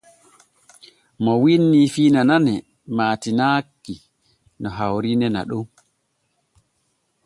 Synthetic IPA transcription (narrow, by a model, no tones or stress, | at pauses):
mɔwinːifiːnananɛ | maːtinakːi | nɔɦawɾinɛna̰ɗum